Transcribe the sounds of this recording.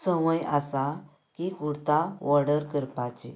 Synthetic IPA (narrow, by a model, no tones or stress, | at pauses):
səʋəjasa | kikuɽt̪aʋɔɾɽəɾkəɾpat͡ɕḛ